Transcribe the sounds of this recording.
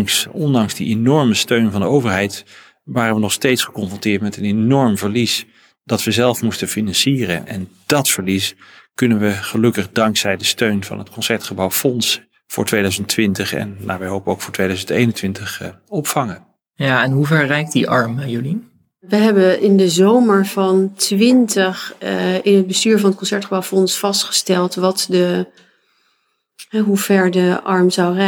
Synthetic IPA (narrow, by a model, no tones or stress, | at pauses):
ŋsɔndɑŋzdiʔenɔɹməstøɥnvɑndəowvəɹɦɛjt | ʋaːɾənʋənɔχstejtsχə̥kɔnfrɔntɪːɹtmɛtənenɔɹmvəɹlis | dɑtʋəzɛlˠfmustəfinɑnsiːrə̰nʔɛ̰nd̥ɑtfəɹliskɵnənʋəχəlɵkəχdɑŋksɛjdəstøɥnvɑ̰nɦətkɔnsɛɹtχəbɑwfɔns | fʊ̰ːɹtʋejdœɥzəntʋɪntəχɛ̰nna̰ːʋɛjɦowpənowkfʊːɹtʋejdœɥzəntejnəntʋɪntəχɔpfɑŋən | jaɪnɦuvɛɹrɛjk̚tdiʔɑɹmjoli | ʋəɦɛbəɪndəzowməɹv̥ɑntʋɪntəχɪnəd̚bəstyːɹvɑnət̚kɔnsɛɹtχəbawfɔnsfɑstχə̥stɛlˠtʋɑtdə | ɦɛɦuv̥ɛɹdəʔɑɹmzɑwrɛ